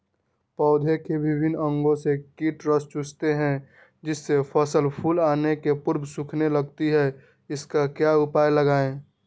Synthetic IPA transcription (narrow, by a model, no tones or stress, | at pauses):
pɔːd̪ʱekebɪbʱɪnə̃ŋɡõsekiːʈɾəst͡ʃʊst̪eɦɛ̃ | d͡ʒɪsːepʰəsəlpʰulaːnekepʊɾbʱsʊkʰneləɡ̚t̪iɦɛ | ɪskakjaʊpaːjləɡaːẽ